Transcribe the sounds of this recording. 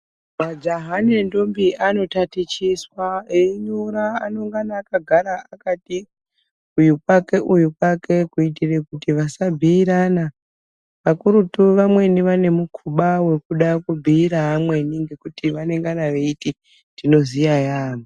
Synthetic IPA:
mad͡ʒaɦanendombiano̞tatit͡ʃiswaeɲuɾaano̞ŋɡanaːkaɡʱaɾaakati | ujukwake̞ʔujukwake̞kuitire̞kutiʋasabʱiːɾana | ʋakuɾutuʋamwe̞niʋane̞mukʰuɓawe̞kuɗakubʱiːɾaɦamwe̞niŋɡe̞kutiʋane̞ŋɡanaʋe̞iti | dino̞zijajaːmo

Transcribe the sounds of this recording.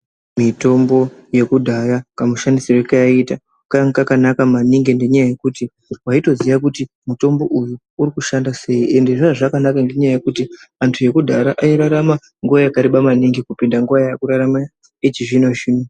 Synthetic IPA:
mito̞mbo̞je̞kudʱaɾakamuʃandisirekaaita | kaŋkakanakamaniŋɡende̞ɲajaje̞kuti | waito̞ziʋakuti | muto̞mbo̞ʔujuːɾikuʃandase̞iʔe̞nde̞ʐaʐakanakaŋɡe̞ɲajaje̞kutiantʰuje̞kudʱaɾaʔaiɾaɾama | ŋɡuʋajakaɾiɓamaniŋɡikupindaŋɡuʋajjakuɾaɾama | et͡ʃiʐinot͡ʃino

